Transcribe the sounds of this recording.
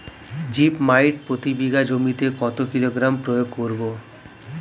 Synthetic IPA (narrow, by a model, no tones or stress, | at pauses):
d͡ʑipmajʈ̚pɾot̪ibiɡad͡ʑomit̪ekɔt̪okiloɡɾampɾojoɡkoɾbo